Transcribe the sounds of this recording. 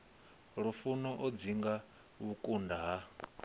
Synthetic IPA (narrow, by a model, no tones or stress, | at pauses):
ɺufunɔʔɔd͡ziŋɡa | βukʼundaɦa